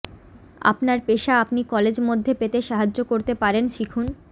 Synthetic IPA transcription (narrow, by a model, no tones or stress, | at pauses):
a̰pnaɾpeʃaapnikɔled͡ʑmod̪ʱːepet̪eʃaɦad͡ʑokoɾt̪epaɾenʃikʰun